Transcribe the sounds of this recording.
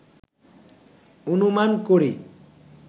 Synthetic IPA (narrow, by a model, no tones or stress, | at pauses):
onumankoɾi